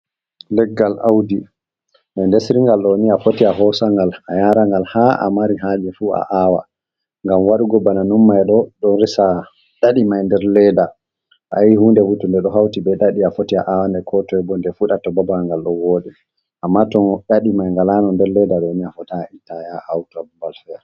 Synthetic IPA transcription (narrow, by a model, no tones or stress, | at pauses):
lɛɡːalʔawdi | mɛndesɾiŋɡalɗɔniafotiaɦɔsaŋɡalajaɾaŋɡalhaʔa̰maɾiɦad͡ʒɛfua̰ʔaːwa̰ | ŋɡamwaɗuɡɔbananumːajɗɔɗɔnɾisa | ɗaɗimajndɛɾlɛda | ʔajihundɛfutɔndɛɗɔɦawtibɛɗaɗiafotiaʔawandɛkʰɔtɔɛbɔndɛfuɗatɔbabaŋɡalɗɔwoːɗɛ | ʔamːatɔnɗaɗimajŋɡalanɔndɛɾlɛdaɗɔniafɔtaitːajaawtɔbubalfɛɾ